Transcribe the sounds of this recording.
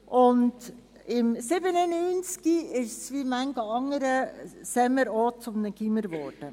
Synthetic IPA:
ʔʊnd | ɪmsɪbənənyːnt͡skiɪʃsʋimæŋɡəɑŋːəɾəsɛməɾɔːt͡sʊmnəkiməɾʋɔɾd̥ə

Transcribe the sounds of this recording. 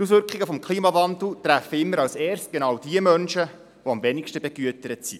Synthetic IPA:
tusʋʏɾkχɪɡəfɔmkχliːmɑvɑnd̪l̩ˠt̪ɾæfəɪmːəɾɑwsɛːɾst̚ɡ̥enɑwd̥iəmœnʃə | voɑmvɛnikʃtəbɛɡ̥yətəɾətsḭ

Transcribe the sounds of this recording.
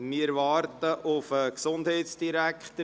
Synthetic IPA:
mɪɾʋɑːɾtəʔʊfəksʊnd̥hɛɪtsd̥iɾækχtə

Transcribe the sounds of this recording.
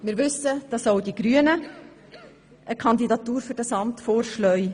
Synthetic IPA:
mɪːɾʋʏsəd̥ɑsoʊdiɡ̥ɾyənə | ʔəkʰɑndidɑt̪uːɾfʏɾd̥ɑsɑmtfoːɾʃlœʏ

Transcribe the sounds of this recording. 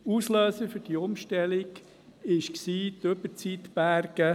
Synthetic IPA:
usløːsəfʏɾd̥iʊmʃtɛlɪɡ | ɪʃksiːtøbət͡sit̪b̥æɾɡ̥ə

